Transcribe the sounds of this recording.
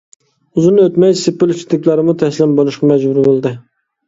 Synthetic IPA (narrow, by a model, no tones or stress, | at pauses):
uzɨnøt̪mɛjsɪpːɪlˠt͡ʃʰɪt̪ɪkʲlæɾɪmut̪ʰɛslɪnbolˠuʃqɑmɛd͡ʒbuɾbolˠd̪ɨ